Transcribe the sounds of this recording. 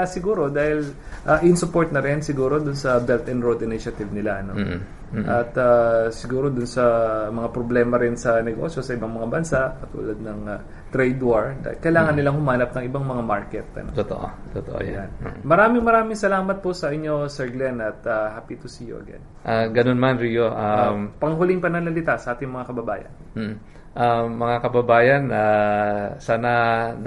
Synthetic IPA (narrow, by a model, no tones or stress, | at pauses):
asɪɡuːɾo̞d̪aːhɪlʔaʔnsʊpo̞ɹt̪̚nɐɾɪnsɪɡuːɾo̞d̪ʊnsɐbɛlt̪ɛnd̪ɾod̪ɪnɪʃɐt̪ɪvnɪlaʔɐno | ʔɐt̪asɪɡuːɾo̞d̪ʊnsɐmɐŋapɾoblɛːmɐɾɪnsɐnɛɡo̞̰sjo̞sɐʔɪbaŋmɐŋabɐnsaʔkɐt̪ṵːlɐd̪̚nɐŋa | t̪ɾɛjd̪waɹd̪a̰hɪlkɐjlaːŋɐnːɪlaŋhʊmaːnɐp̚nɐŋʔɪbaŋmɐŋamaɹkɛt̪̚ɐ̰no̰t̪ot̪o̰ʔo̰t̪ot̪o̰ʔo̰jjanmɐɾaːmɪŋmɐɾaːmɪŋsɐlaːmɐt̪̚posɐʔɪɲːo̞sɛɹɡlɛnɐt̪̚ahapit̪osijoʔɐ̰ɡɛ̰nʔaɡɐnonmanɾijoʔampɐŋɦʊlɪŋpɐnɐŋlɐlɪt̪asɐʔaːt̪ɪŋmɐŋakɐbɐba̰ːjɐ̰n | m̩ː | ʔaːɐŋakɐbɐbaːjɐna | saːnɐ